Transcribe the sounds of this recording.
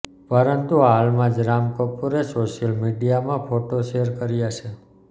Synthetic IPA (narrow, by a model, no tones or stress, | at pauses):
pəɾənt̪uɦalmãd͡ʒɾamkəpuɾesoʃijəlmiɖijamãfʰoʈoʃeəɾkəɾijaʃe